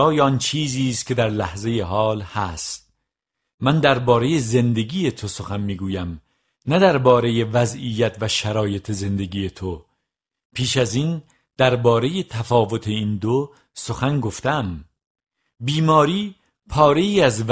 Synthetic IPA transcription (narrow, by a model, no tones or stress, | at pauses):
ɒːjeɒnt͡ʃʰiːziːst̪cʲʰe̞d̪æɾlæhze̞jeɦɒːlhæst̪̚ | mænd̪æɾbɒːɾe̞je̞ze̞nd̪e̞ɡiːje̞t̪ʰo̞so̞xænmiːɡuːjæm | næd̪æɾbɒːɾe̞je̞væzijːæt̪ʰvæʃæɾɒːje̞t̪ʰe̞ze̞nd̪eɡiːje̞t̪ʰo̞ | pʰiːʃæziːn | d̪̥æɾbɒːɾe̞je̞t̪ʰæfɒːvo̞t̪ʰe̞iːnd̪o | so̞xænɡoft̪æm | biːmɒːɾiː | pʰɒːɾe̞jiːæzv